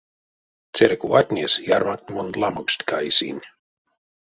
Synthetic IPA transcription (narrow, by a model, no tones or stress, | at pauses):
t̪t͡s̪eɾkuat̪ʲnʲesjaɾmak̚t̪ʲmond̪lamukst̪ʲkajsḭnʲ